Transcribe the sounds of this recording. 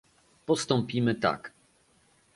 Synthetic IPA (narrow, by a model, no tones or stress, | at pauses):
pɔst̪ɔmpʲimɘt̪a̰k